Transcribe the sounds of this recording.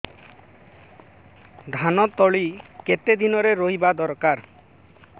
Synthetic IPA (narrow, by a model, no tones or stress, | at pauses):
d̪ʱanɔt̪ɔɭiket̪ed̪inɔɾeɾoɦibad̪ɔɾkaɾ